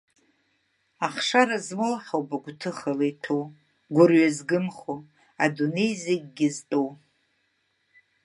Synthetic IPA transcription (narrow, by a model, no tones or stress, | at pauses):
aχʂaɾazmɨlaħawbaɡʷtʰɨχalejtʰow | ɡʷʊrɥazɡɨmχo | adune̞jzeɡ̚ʲɡʲɪztʼow